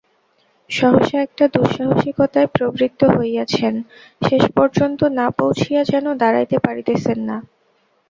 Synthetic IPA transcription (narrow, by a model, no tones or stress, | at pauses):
ʃɔɦoʃeɛk̚ʈad̪uʃaɦoʃikot̪aepɾobɾit̪ːoɦoejat͡ɕʰen | ʃeʃpɔɾd͡ʑont̪onapowt͡ɕʰijad͡ʑɛnod̪aɾajt̪epaɾit̪esʰenːa